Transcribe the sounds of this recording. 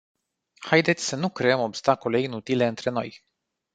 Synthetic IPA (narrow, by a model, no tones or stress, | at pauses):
hajd̪e̞t̪sʲsənukɾe̞əmo̞bst̪akole̞inut̪ile̞ɨnt̪ɾe̞no̞̰j